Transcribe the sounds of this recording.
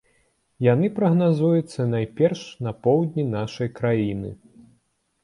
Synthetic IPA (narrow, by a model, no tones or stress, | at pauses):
janɨpɾɐɣnazujut̪sːɐnajpʲɛrʂnɐpɔwd̪ʲnʲinaʂɐjkɾajinɨ̰